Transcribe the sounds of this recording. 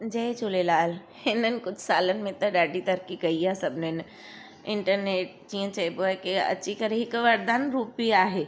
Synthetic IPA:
d͡ʑɐɦɪ̃d͡ʑʊlelaːlhɪnənɪ̆kʊd͡ʑʱsaːlənɪ̆mẽt̪ɐɗaːɖʱit̪ɐɾkikɐiaːsɐbʱɪnnɪ̆ | ɪ̃ɳʈəɾneːʈ̚d͡ʑiːə̃t͡ɕɐiboaːɦekɪɐ̰t͡ɕikɐɾeɦɪkʋɐɾd̪aːnɾuːpiaːɦeː

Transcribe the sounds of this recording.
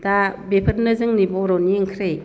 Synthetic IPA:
dabepʰɯɾ̚nɯzɯŋnibɔɾɔniŋkʰɾe

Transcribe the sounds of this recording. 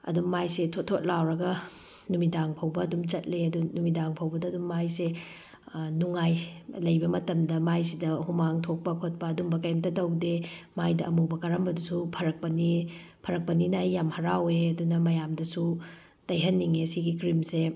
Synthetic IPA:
ɐ̰dummajsetʰotʰːot̚lawɾɐɡɐ | numidaŋpʰɐwbɐːdumt͡ʃɐt̚leɐdunumidaŋpʰɐwbɐdɐːdumːajse | nuŋajlɐjbɐmɐtɐmdɐmajsidɐhumaŋtʰok̚pɐkʰot̚pɐːdumbɐkɐjmtɐtɐwdemajdɐʔɐmubɐkɐɾɐmbɐdusupʰɐɾɐk̚pɐni | pʰɐɾɐk̚pɐninɐːjːamhɐɾaweɐdunɐmɐjamdɐsu | tɐjɦɐnːiŋesiɡikɾimse

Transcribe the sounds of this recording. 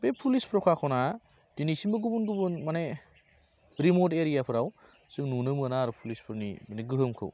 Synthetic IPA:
bepʰulispʰɾɔkʰakʰɔwna | d̥inisimbɯɡubunɡubunmane | ɾimoteɾijapʰɯɾaw | sɯŋnunɯmɯənaɾupʰulispʰɯɾnḭmaneɡɯɦɯmkʰɯ̰w

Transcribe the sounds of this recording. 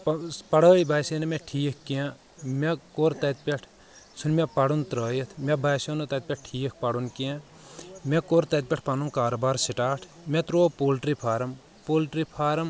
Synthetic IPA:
pɐɽəːibaːsenɐmẽʈʰiːkʰːijãː | mẽkoːɾt̪ɐt̪̚pʲeʈʰ | sunmepɐɽunt̪ɾəːjɐt̪ʰmebaːjsoːnot̪ɐt̪̚pʲeʈ̚ʈʰiːk̚ʰpɐɽunkiãː | mẽkoːɾt̪ɐt̪̚pʲeʈʰpɐnunkaːɾoːbaːɾsiʈaːʈʰ | mẽt̪ɾoːpoːlʈɾipʰaːɾɐm | poːlʈɾipʰaːɾɐm

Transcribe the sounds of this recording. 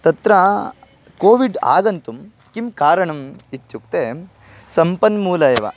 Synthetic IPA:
t̪ɐt̪ɾɐ | koːʋiɖa̰ːɡɐnt̪um | kimkaːɾɐɳɐmit̪juk̚t̪e | sɐmpɐnmuːlɐeʋɐ̰

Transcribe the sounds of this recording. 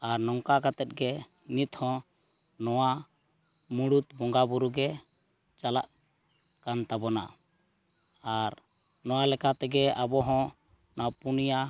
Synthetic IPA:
aɾnɔŋkakat̪ɛt̪̚ɡɛ | nit̪hɔ̃ | nɔwa | muɽut̪̚bɔŋɡabuɾuɡɛ | t͡ʃala̰ʔ | kant̪abɔna̰ | aɾ | nɔwalɛkat̪ɛɡɛabɔɦɔ̃ | napunija

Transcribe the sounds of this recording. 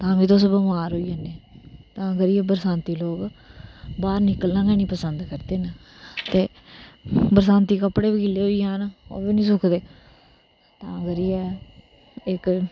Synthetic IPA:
t̪ãːʋiːt̪ʊsbəmaːɾɦoːiːaneːt̪ãːɡəɾiːɛːbəɾsãːnt̪iːloːk | baːɾnɪkəlnãːɡɛːnĩːpəsənd̪kəɾd̪eːnə | t̪eː | bəɾsãːnt̪iːkəpɽeːbikilːeːɦoːiːãːno̰ːbeːnĩːs̬ʊkʰd̪eː | t̪ãːɡəɾiːɛː | ɪk

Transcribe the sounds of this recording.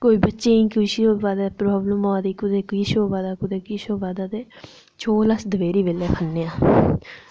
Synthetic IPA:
koːiːbətːʃeːĩːkʊiʃoːbaːd̪aːpɾɔːbləmoaːd̪iːkʊd̪eːkiʃoːbaːd̪aːkʊd̪eːkiːʃoːbaːd̪aːd̪eː | t͡ʃʰoːlasd̪əʋeːɾiːʋeːleːpʰənːẽːãː

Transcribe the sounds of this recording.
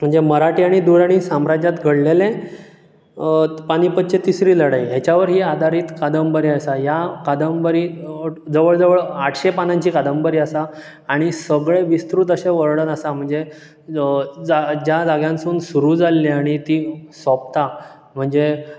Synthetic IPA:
m̤əɳd͡zeməɾaʈiaɽ̃id̪uɾaɽ̃isamɾad͡ʑat̪ɡʱəɽlelẽ | paɽ̃iːpət̪̚ːt͡ɕet̪isɾiːləɽajɦjat͡ɕaʋəɾɦiːad̪ʱaɾiːt̪kad̪əmbəɾiəsajakad̪əmbəɾiːd͡zəʋəɭd͡zəʋəɭaʈʰɕepanaɲt͡ɕiːkad̪əmbəɾiːəsaː | ɽ̃isəɡɭeʋist̪ɾuːt̪̬əɕeʋəɾɽənəsam̤əɳd͡ze | d͡zad͡ʑjad͡zaɡjãnsuːnsuɾuːd͡zalːiaɽ̃it̪iːsɔp̚t̪a | m̤əɳd͡ze

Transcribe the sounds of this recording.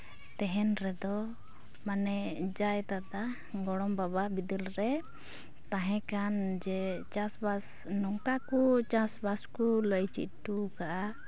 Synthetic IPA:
t̪ɛɦɛnɾɛd̪ɔ | manɛd͡ʒajt̪ad̪a | ɡɔɽɔmbababid̪ɛlɾɛ | t̪ãɦɛ̃kand͡ʒɛt͡ʃãsbas | nɔŋkakut͡ʃãsbaskuləjt͡ʃḭt̪̚ʈukaʔa

